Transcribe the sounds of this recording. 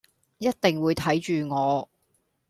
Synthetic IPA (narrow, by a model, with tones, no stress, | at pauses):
jɐ˥t̚t̪ɪ˨ŋwuː˨˧jt̪ʰɐ˨˥jt͡ʃyː˨ŋɔː˨˧